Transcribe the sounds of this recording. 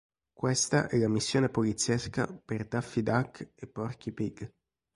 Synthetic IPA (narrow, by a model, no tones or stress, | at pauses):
kwest̪aʔɛlamisːjoːnepolit̪sːjɛska̰perd̪afːid̪akːepːɔrkipiɡ